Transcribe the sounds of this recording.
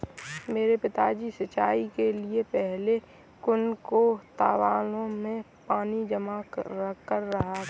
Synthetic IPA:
meːɾepɪt̪aːd͡ʒisɐt͡ʃaːikeliepɛɦle | kʊnkot̪aːʋaːlõmẽ | paːnid͡ʒəmakəɾːɐɦa

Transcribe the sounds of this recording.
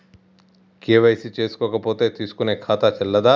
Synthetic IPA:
keːʋɐjsit͡ʃe̞ːsu̥kɔːkɐpoːt̪e̞ːt̪iːsu̥kune̞ːkʰaːt̪ɐt͡ʃɛlːɐd̪aː

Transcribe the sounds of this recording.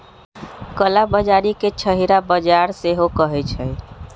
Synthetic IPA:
kəlabəd͡ʒaɾiket͡ʃʰəɦiɾabəd͡ʒaɾseɦokəɦɛt͡ʃʰəj

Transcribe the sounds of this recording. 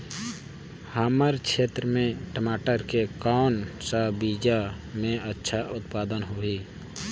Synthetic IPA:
haːməɾkʃʰeːt̪ɾəmẽʈəmaːʈəɾkekaːnsabiːd͡ʒamẽətːʃʰaʔʊt̪paːd̪ənɦoːiː

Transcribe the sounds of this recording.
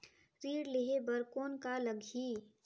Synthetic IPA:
ɾiːɽleɦebəɾkoːnkaləɡʱiː

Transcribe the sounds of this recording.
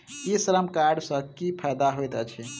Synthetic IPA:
isəɾəmkaɾɖsə̃kipʰɛjd̪aɦojt̪ɛt͡ʃʰɛ

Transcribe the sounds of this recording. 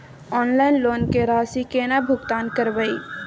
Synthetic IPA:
ɔːnlaːɪnloːnkeɾaːsikeːnabʱʊɡt̪aːnkəɾbəi

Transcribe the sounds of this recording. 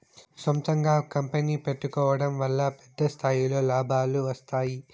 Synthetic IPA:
sɔmt̪ɐŋɡaːkɐmpeniːpeʈːukɔːʋɐɽɐmʋɐlːɐpɛ̥d̪ːɐst̪ʰaːjilo̞ːlaːbʱaːluʋɐst̪aːji

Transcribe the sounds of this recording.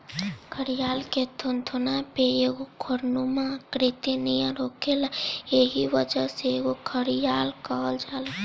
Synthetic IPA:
kʰəɾijaːlket̪ʰont̪ʰonapeeɡokʰoɾnumãkɾit̪inijãɾoːkelaeɦiʋəd͡ʒəseeɡokʰəɾijaːlkəld͡ʒaːl

